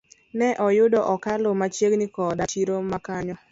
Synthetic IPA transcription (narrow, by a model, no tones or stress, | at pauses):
nɛʔɔjʊdɔʔɔkalomat͡ʃjeɡnɪkɔdat͡ʃiɾomakaɲɔ